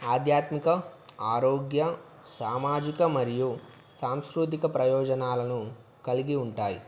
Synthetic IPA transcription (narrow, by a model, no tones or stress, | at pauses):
aːd̪ʱjaːt̪mikɐaːɾoːɡjɐ | saːmaːd͡ʒikɐmɐɾiju | saːmskɾut̪̬ikɐpɾɐjɔːd͡ʒɐnaːlɐnu | kɐliɡiuɳʈaːjḭ